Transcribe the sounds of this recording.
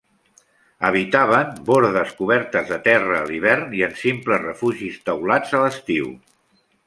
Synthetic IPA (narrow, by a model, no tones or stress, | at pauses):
əβ̞it̪aβəmboɾðəskuβ̞ɛɾt̪əzðət̪ɛrəːliβ̞ɛrniənsimpləzrəfuʒist̪əwlad͡zələst̪iw